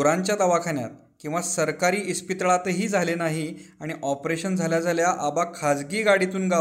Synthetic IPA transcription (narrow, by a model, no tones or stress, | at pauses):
ɾãɲt͡ɕjad̪aʋakʰaɳja̰t̪̚ | kĩw̃ʋasəɾkaɾiːispit̪ɭat̪əɦiːd͡zʱalenaɦiaɽ̃iʔɔpɾeɕənd͡zʱaljad͡zʱaljaʔabakʰad͡zɡiːɡaɽit̪uːnɡa